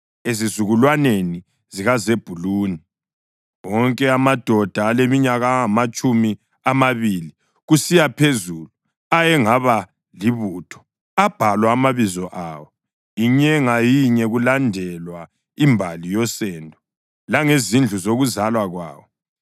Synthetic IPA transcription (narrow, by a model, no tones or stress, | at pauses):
ezizuɣulwaneni | ziɣazeb̥ʱuluːni | wɔŋkʼɛamad̥ʱɔd̥ʱaːlemiɲaɣaamat͡ʃʼumi | amaβili | ɣusijapʰezuːlu | ajɛŋaβa | liβuːtʰɔ̥ | ab̥ʱalwaːmaβizɔʔawɔ | iɲɛŋajiɲɛɣulandʱɛlwa | imbʱalijɔsɛndʱɔ | laŋezind͡ɮʱuzoɣuzalwaɣwa̰ːwɔ